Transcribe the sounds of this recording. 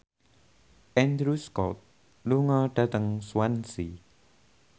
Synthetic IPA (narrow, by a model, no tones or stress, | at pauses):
ʔɛnd̪ɾuskɔt̪̚ | luŋɔɖ̥a̤t̪əŋswansi